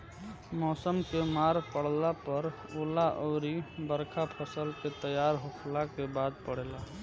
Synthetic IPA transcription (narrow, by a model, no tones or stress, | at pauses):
mɔːsəmkemaːɾpəɽ̤lapəɾ | olaʔɔːɾibəɾkʰapʰəsəlket̪əjaːɾɦokʰlakebaːd̪̚pəɽ̤eːla